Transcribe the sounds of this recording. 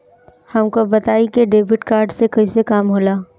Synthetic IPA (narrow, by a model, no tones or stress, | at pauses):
hɐmkobɐt̪aːikeɖeːbɪʈkaːɾɖsekɐisekaːmɦoːlaː